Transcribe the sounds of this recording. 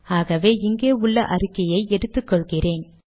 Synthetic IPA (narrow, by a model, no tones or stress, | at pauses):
aːɣɐʋeːɪŋɡeːʊɭːɐʔɐɾɯkːɐjɐɪʔɛɽɯt̪ːɯkːɔɭɣɪreːn